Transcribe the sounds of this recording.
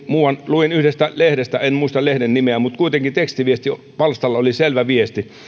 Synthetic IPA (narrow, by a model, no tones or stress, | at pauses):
muːwɑnluinyhdest̪ælehɾest̪æenmuist̪ɑlehdennimeæmut̪kuit̪eŋkit̪ekst̪iʋiest̪i | pɑlst̪ɑlːɑoliselʋæʋiest̪i